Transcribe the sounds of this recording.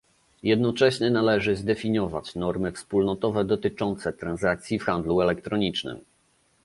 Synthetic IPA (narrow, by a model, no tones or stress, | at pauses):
jɛd̪nɔt͡ʂɛɕɲɛnalɛʐɘzd̪ɛfʲiɲɔva̰t͡ɕnɔɾmɘfspulnɔt̪ɔvɛd̪ɔt̪ɘt͡ʂɔnt̪sɛt̪ɾanzak̚t̪sʲjifxand̪luɛlɛkt̪ɾɔɲit͡ʂnɘ̰m